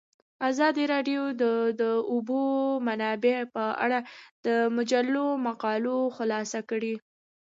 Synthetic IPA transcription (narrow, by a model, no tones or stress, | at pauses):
azɑd̪iɾɑɖjod̪əd̪əʊbomanɑbepəa̰ɽad̪̥əmʊd͡ʒalːomaqɑloxʊlɑsakəɽi